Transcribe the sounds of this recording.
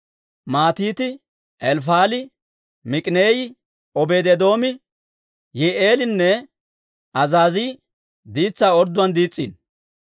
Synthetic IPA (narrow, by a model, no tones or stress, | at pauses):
maːt̪iːt̪ɪ | ʔɛlfaːlɪ | mɪkʼɪneːjɪ | ɔbeːd̪ɛd̪o̞ːmɪ | jɛʔeːlɪnːɛ | ɐzaːziː | d̪iːt͡sːaːɔɾd̪ʊɐnd̪iːt͡sʼːḭːn